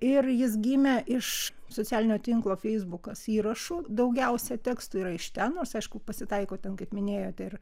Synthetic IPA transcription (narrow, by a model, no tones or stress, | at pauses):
ɪrjɪsɡʲiːmʲɛʔɪʃsoːt͡sʲæːlʲɪnʲoːt̪ʲɪŋklˠoːfʲɛɪzbʊkɐsiːɾɐʃuːd̪ɐʊɡʲɛʊsʲɛt̪ʲæːkst̪uiːɾɐɪʃt̪ʲɛnnoːɾsɐɪʃkʊpɐsʲɪt̪ɐɪkoːt̪ʲɛnkɐɪpmʲɪnʲeːjoːt̪ʲɛɪr